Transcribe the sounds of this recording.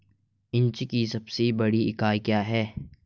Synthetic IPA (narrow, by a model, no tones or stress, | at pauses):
ɪnt͡ʃkisɐbsebɐɽiɪkaːjkjaːɦɛː